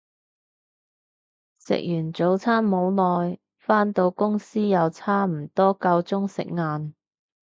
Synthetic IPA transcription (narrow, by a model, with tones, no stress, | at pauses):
sɪ̰˨k̚jyː˨˩nt͡so˨˧˥wt͡sʰaː˥mːo˨˧wlɔː˨j | faː˥nt̪o˧wkʊ˥ŋsiː˥jɐ˨˧wt͡sʰaː˥m̩˨˩t̪ɔː˥kɐ˧wt͡sʊ˥ŋsɪ̰˨k̚ŋaː˨˧n